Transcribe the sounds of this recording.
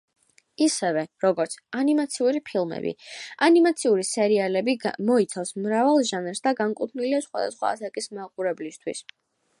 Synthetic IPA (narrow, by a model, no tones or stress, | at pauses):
isɛvɛɾɔɡɔɾt̪sʰanimat̪sʰiuɾipʰilˠmɛ̰bḭanimat̪sʰiuɾisɛɾialɛbimɔit̪sʰafsmɾavalˠʒanɛɾsd̪aɡaŋkʼut̪ʰniliasχwa̰d̪a̰sχwa̰ːsakʼismaqʼuɾɛblist̪ʰwis